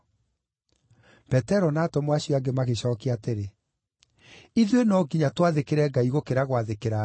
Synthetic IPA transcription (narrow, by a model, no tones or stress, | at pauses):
pɛtɛɾɔnaːtɔmwaɕiɔaɡemaɣeɕɔːkeateɾe | iðwenɔɡiɲatwaðekeɾɛːɡaiɣokeɾaɣwaðekeɾa